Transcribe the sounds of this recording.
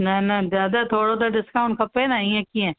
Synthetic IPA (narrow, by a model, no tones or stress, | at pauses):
nənazjaːd̪at̪ʰoːɽod̪aɖɪskaʊɳɖ̚kʰəpeːnaiːẽːkiːɛ̃ː